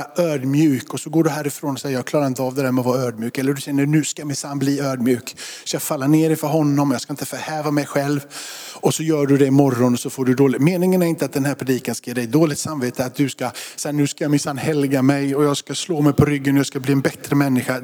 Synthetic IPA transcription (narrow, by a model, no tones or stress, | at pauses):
øːɖmjʉ̟ːkɔsɔɡoːɖɵɦæːɾɪfɾoːnɔsɛjjɑːkʰlɑːɾaɾɪnt̪əɑːvd̪ɛd̪æɾmɛɔvɑːɾaœːd̪mjʉ̟ːkɛlːəɖɵɕɛnːənʉ̟ːskamɪsanːbliːøːɖmjʉ̟ːkskaafalːaneːɾɪnfœɾɦɔnːɔmɔjɑːskaɪnt̪əfœɾhɛːvamɛjɧɛlvɔsɔjœːɖɵd̪ɛɪmɔɾːɔnɔsɔfoːɖɵd̪oːlɪmeːnɪŋənæɾɪnt̪əat̪̚d̪ɛnhæːɾpʰɾɛd̪iːkanskajɛːɖɛjd̪oːlɪɡt̪samveːt̪əat̪̚d̪ɵskasɛnʉ̟ːskajamɪsanːhɛlɡamɛjɔjɑːɡskasloːmɛjpʰɔɾʏɡːənɔjɑːskabliːɛnbɛt̪ɾəmɛnːɪɧa